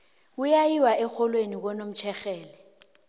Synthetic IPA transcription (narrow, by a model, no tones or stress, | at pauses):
ʊjajiwaɛxʰɔlwenik̬ɔnom̩t͡ʃʰɛxɛːlɛ